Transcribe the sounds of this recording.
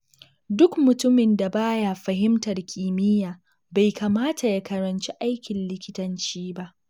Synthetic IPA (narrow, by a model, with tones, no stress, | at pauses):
dʊ˦kmʊ˨tʊ˦mɪ˨nda˨baː˦ja˦ɸɐ˨ɦɪ˦mtɐ˨rkʲʰiː˨mɪ˦jaː˨ | ba˨jkʰaː˨maː˦ta˨ja˦kɐ˨ɾɐ˨nt͡ʃi˦ʔa˦jkʲɪ˨nlɪ˦kʲɪ˦tɐ˨nt͡ʃiː˦ba˦ʔ